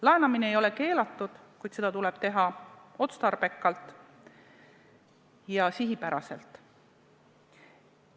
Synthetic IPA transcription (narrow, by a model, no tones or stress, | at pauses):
lɑenɑmineejo̞le̞ke̞ːlɑt̪ːˑud̪̥kujd̪̥se̞d̪̥ɑt̪uleb̥̚t̪e̞ɦɑo̞t̪st̪ɑrb̥e̞kːˑɑlt̪ˑ | jɑsiɦipæɾɑ̰se̞̰lt̪ˑ